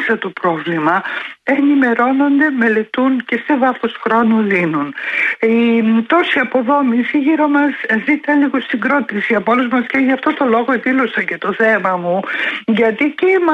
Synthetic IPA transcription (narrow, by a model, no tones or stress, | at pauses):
sɐt̪o̞pɾo̞vlimɐe̞nime̞ɾo̞no̞nd̪e̞me̞le̞t̪unce̞se̞vɐθosxɾo̞nulinunit̪o̞siɐpo̞ðo̞misiʝiɾo̞mɐzzit̪it̪ɐnliɣost̪iŋɡɾo̞t̪isiɐpoluzmɐsceʝɐft̪o̞t̪o̞lo̞ɣo̞eðilosɐce̞t̪o̞θe̞mɐmuʝɐt̪icemɐ